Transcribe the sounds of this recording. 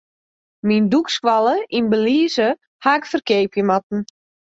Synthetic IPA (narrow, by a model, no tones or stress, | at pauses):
mindukskʋalˠəʔinbəliːzə | haɪkfərkeːpjəmat̚n̩